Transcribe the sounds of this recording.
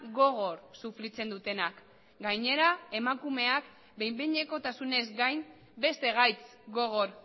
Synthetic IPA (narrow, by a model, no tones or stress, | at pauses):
ɣo̞ɣ̞o̞ɾsufɾit͡se̞nd̪ut̪e̞nak | ɡajɲe̞ɾae̞makume̞ak | be̞jmbeɲe̞ko̞t̪asune̞zɡajm | be̞st̪e̞ɣ̞ajt͡sɡo̞ɣ̞o̞ɾ